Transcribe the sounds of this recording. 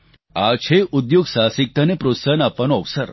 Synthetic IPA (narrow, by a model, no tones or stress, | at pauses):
at͡ʃʰeʔud̪joɡsaːsik̚t̪anepɾot̪sanapʋanoɐʋsəɾ